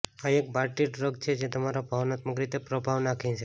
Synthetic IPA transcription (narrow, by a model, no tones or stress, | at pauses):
aek̚baɾʈiɖɾəɡt͡ʃʰed͡ʒet̪əmaɾabʱəʋnat̪məkɾit̪epɾəbʱaʋnakʰĩt͡ʃʰe